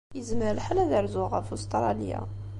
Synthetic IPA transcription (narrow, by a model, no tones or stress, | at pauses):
jəzməɾlħalæðəɾzʊʁafust̪ɾˤɑlja̰